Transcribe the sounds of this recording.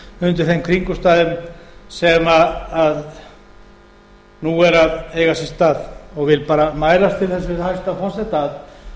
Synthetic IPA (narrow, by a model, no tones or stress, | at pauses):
ʏnt̪ɪɾ̥θejmkʰɾiŋkʏst̪aːðʏmsɛmaað | nuɛɾaðeːjɣasɪst̪aːðɔɣvɪlpaːɾamaːjɾast̪ʰɪlθɛsːʏhajst̪afɔr̥sɛt̪að